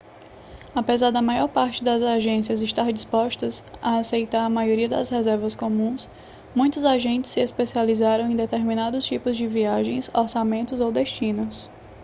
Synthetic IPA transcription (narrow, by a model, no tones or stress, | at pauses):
apezaɾd̪ɐmajɔɾpaɾt͡ʃɪd̪ɐzaʒẽsiɐzɪʃt̪aɾd͡ʒispɔʃt̪ɐsaasejt̪aɾɐmajoɾiɐd̪ɐ̰shɛzɛɾvɐskõmũs | mũj̃t̪ʊzaʒẽnt͡ʃɪ̥sːɪespesializaɾɐ̃w̃ẽj̃d̪et̪eɾmĩnad̪ʊst͡ʃipʊzd͡ʒɪviaʒẽj̃soɾsamẽnt̪ʊzowd̪eʃt͡ʃĩnʊs